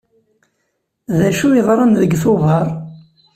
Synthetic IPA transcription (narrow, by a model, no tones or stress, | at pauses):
ðæʃuiʁɾˤənðəɡθʊvɑɾˤ